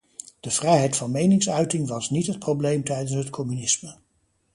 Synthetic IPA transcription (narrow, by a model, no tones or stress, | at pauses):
d̥əv̥rɛjɦɛjtfɑnmejnɪŋsœɥtɪŋʋɑsnitɦət̚prowblejmtɛjdənsɦətkʰɔmynɪsmə